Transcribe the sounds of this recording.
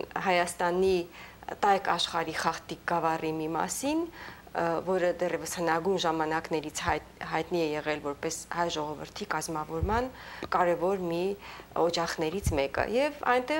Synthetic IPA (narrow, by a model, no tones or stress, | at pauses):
ɦɑjɑst̪ɑnit̪ɑjkɑʃχɑɾiχɑχt̪ik̚ɡɑvɑrimimɑ̰sin | vɔɾəd̪ɛrɛvəshənɑɡujnʒɑmɑnɑknɛɾit͡sʰh | ɦɑjt̪niɛjɛʁɛlvɔɾpɛshɑjʒɔʁɔvə̰ɾt̪ʰikɑzmɑvɔɾmɑnkɑɾɛvɔɾmiɔd͡ʒɑχnɛɾit͡sʰmɛkə̰jɛvɑ̰jnt̪ɛ